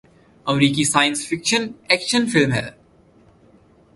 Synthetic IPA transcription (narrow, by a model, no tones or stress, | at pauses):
əmɾiːkisaːjə̃nsfɪkʃə̃nɛkʃə̃nfɪlmɦɛ̰